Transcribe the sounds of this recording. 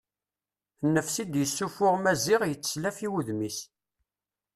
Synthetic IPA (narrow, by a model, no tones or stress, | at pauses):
nːəfsid̪jəsːufʊʁmæziʁjət͡sːslæfiwuðmis